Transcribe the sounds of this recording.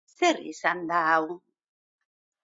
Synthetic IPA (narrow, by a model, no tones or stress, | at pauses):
seɾḭsand̪awu